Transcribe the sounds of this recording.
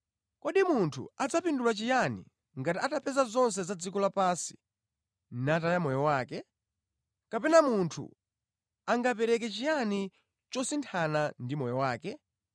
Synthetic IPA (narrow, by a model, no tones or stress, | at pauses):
kɔɗimuntʰṵad͡zapindulat͡ʃijanḭ | ŋɡatiatapʰɛzazɔns̬ɛzad͡zikɔlapasi̥ | natajamɔjɔwaːkɛ | kapɛnamuntʰṵ | aŋɡapɛɾɛk̬ɛt͡ʃijani | t͡ʃɔsintʰanandimɔjɔwaːkɛ